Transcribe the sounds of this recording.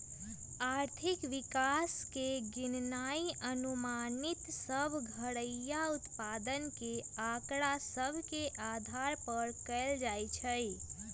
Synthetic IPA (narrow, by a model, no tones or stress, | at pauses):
aɾt̪ʰikʋikaskeɡinnaiʔənumanit̪səbʱɡʱəɽəjaut̪pad̪ənkeakɽasəbʱkeʔad̪ʱaɾpəɾkəɪld͡ʒajt͡ʃʰəj